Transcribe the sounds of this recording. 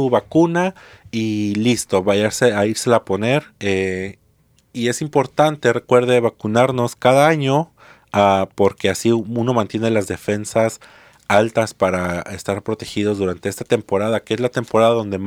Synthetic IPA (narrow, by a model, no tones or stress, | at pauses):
uβakuna | ilist̪o̞βajaɾseaiɾse̞lapo̞ne̞ɾe | ie̞simpo̞ɾt̪ant̪e̞re̞kwe̞ɾðe̞βakunaɾno̞skaðaaɲo̞ | apo̞ɾke̞asiuno̞mãnt̪je̞nelazðe̞fe̞nsas | alt̪aspaɾae̞st̪aɾpɾo̞t̪e̞xið̞o̞zðuɾant̪e̞est̪at̪e̞mpo̞ɾað̞akee̞zlat̪e̞mpo̞ɾaðaðo̞nd̪e̞m